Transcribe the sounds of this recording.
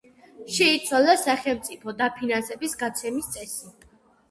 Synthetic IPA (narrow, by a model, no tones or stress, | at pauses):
ʃɛit̪sʰwalasaχɛlˠmt̪sʼipʰɔd̪apʰinansɛbisɡat̪sʰɛmist̪sʼɛsi